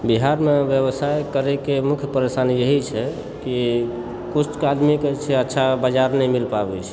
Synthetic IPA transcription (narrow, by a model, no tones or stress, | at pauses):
biɦaɾmebjeβsajkəɾekemukʰjəpəɾesanjeɦit͡ʃʰɛ | ki | kut͡ʃkad̪miket͡ʃʰɛətːʃʰabad͡ʒaɾnɛjmilpabɛt͡ʃʰɛ̥